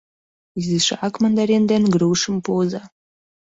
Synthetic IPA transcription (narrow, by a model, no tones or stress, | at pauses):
izɨʂaːkmand̪aɾend̪enɡrowʂɨmpʰoːza